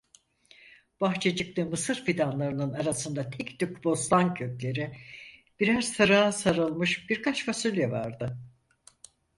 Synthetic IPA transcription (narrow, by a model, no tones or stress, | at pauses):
b̥axt͡ʃʰed͡ʒɯk̚t̪ˠɯːmɯsɯɾfid̪anlˠaɾɯnɯnaɾasɯnd̪at̪ʰɛkt̪ykbo̞slˠaŋcʰøclʲe̞ɾɪb̥iɾæz̥sɯɾaːsaɾɯlˠmɯʃb̥iɾkʰat͡ʃfasylʲjɛva̰ɾd̪ɯ